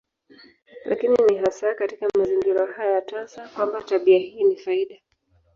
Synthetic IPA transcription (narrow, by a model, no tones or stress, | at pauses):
lʔa̰kininiɦasakatikamaziŋɡiɾaɦajajatansakwambataɓiahiːnifaiɗa